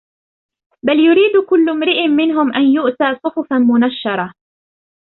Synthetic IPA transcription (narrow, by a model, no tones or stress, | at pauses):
baljʊɾiːd̪kʊlːʊmɾɪʔɪmːɪnɦʊmʔanjʊʔt̪aːsˤʊħʊfamʊnaʃːɑɾˤɑ